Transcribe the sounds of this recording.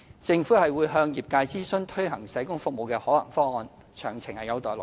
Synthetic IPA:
t͡sɪ˧ŋfuː˨˥hɐ˨jwuː˨˧jɦœː˧ŋjiː˨˩p̚kaː˧jt͡siː˥sɵ˥nt̪ʰɵ˥ɦɐ˨˩ŋsɐ˨˥jkʊ˥ŋfʊ˨k̚mo˨wkɛː˧hɔː˨˥lɐ̰˨˩ŋfɔː˥ŋɔː˧n | t͡ʃʰœ̰ː˨˩ŋt͡sʰɪ˨˩ŋhɐ˨jɐ˨˧wt̪ɔː˨jlʊ̰˨

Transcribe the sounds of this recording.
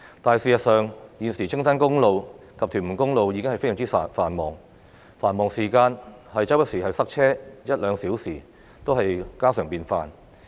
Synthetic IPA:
t̪aː˨˧jsiː˨˩jɐ˨t̚sœː˨ŋjiː˨˧nsiː˨˩t͡sʰɪ˥ŋsaː˥nkʊ˥ŋlo˨˧w | kɐ˨p̚t̪ʰy˨˩mu˨˩nkʊ˥ŋlo˨wjiː˨˧k̬ɪ˥ŋhɐ˨jfe˥jsŋt͡siː˥˨faː˨˩nmɔː˨˩ŋ | faː˨˩nmɔː˨ŋsiː˨˩kaː˧nhɐ˨jt͡sɐ˥wpɐ˥t̚siː˨˩hɐ˨jsɐ˥k̚t͡ʃʰɛː˥jɐ˥t̚lœː˨˧ŋsiː˨˥wsiː˨˩ | t̪o˥wɦɐ˨jkaː˥sœː˨˩ŋpiː˧nfaː˨n

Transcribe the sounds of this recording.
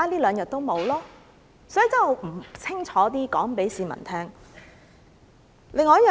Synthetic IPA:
aː˥liː˥lœː˨˧ŋjɐ˨t̚t̪o˥wmo˨˧wlɔː˥ | sɔ˨˥jt͡sɐ˥o˨˧wm̩˨˩t͡sʰɪ˥ŋt͡ʃʰɔː˨˥t̪iː˥kɔ̰ː˨˥ŋpe˨˥jsiː˨˧mɐ̰˨˩nt̪ʰɛː˥ŋ | lɪ˨˧ŋːɔː˧jɐː˥˨

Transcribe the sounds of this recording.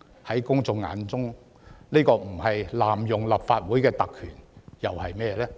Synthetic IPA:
hɐ˨˥jkʊ˥ŋt͡sʊ˨˧ŋa̰ː˨˥nt͡sʊ˥ŋ | niː˥kɔː˧m̩˨˩hɐ˨jlaː˨mjʊ˨ŋlɐ˨p̚faː˧t̚wuː˨˥jkɛː˧t̪ɐ˨kʰːy̰ː˨˩njɐ˨whɐ˨jmɛː˥lɛː˥

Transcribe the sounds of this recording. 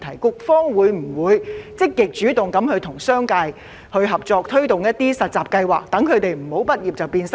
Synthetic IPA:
t̪ʰɐ˨˩jkʊ˥k̚fɔː˥ŋwuː˨˧jm̩˨˩wuː˨˧jt͡sɪ˥kːɪ˨k̚t͡ʃyː˨˥t̪ʊ˨ŋkɐ˨˥mhɵ˨˧ɥt̪ʰʊ˨˩ŋsœː˥ŋkɐ˧j | hɵ˨˧ɥɦɐ˨p̚t͡sɔː˧k̚t̪ʰɵ˥ɥt̪ʊ˨ŋjɐ˥t̪̚iː˥sɐ˨t̚t͡saː˨p̚kɐ˧jwaː˨˩k̚t̪ɐ˨˥ŋkʰɵ˨˧ɥt̪e˨jm̩˨˩ho˨˥wpɐ˥t̚jiː˨p̚t͡sɐ˨˩wpiː˧nsɐ˥

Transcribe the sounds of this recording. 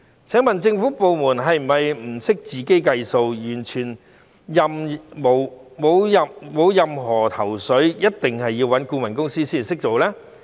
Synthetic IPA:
t͡sʰɛː˨˥ŋmɐ˨nt͡sɪ˧ŋfuː˨˥po˨˧wmuː˨˩nɦɐ˨jm̩˨˩ɐ˨jm̩˨˩sɪ˥k̚t͡siː˨ke˥jkɐ˧jso˧wjyː˨˩nt͡ʃʰyː˨˩n | jɐ˨mmo˨˩wmo˨˧wɐ˨mo˨˧wjɐ˨mɦɔː˨˩t̪ʰɐ˨˩wsɵ˨˥jɐ˥t̚t̪ɪ˨ŋhɐ˨jːiː˧wɐ˨˥nkuː˧mɐ˨˩nkʊ˥ŋsiː˥siː˥˩˨nsɪ˥k̚t͡so˨wlɛː˥

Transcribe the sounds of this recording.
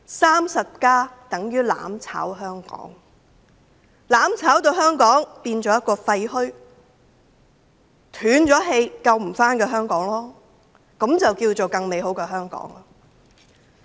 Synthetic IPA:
saː˥msɐ˨p̚kaː˥t̪ɐ˨˥ŋjyː˥la̰ː˨˥mt͡sʰa̰ː˨˥wɦœː˥ŋkɔ̰ː˨˥ŋ | laː˨˥mt͡sʰaː˨˥wt̪o˧wɦœː˥ŋkɔː˨˥ŋpiː˧nt͡ʃɔː˨˥jɐ˥t̚kɔː˧fɐ˧jɦɵ˥ | t̪ʰyː˨˥nt͡ʃɔː˨˥ɦe˧jkɐ˧wm̩˨˩faː˥nkɛː˧ɦœː˥ŋkɔː˨˥ŋlɔː˥ | kɐ˨˥mt͡sɐ˨wkiː˧wt͡so˨wkɐ˧ŋme˨˧jho˨˥wkɛː˧ɦœː˥ŋkɔ̰ː˨˥ŋlɔ˧

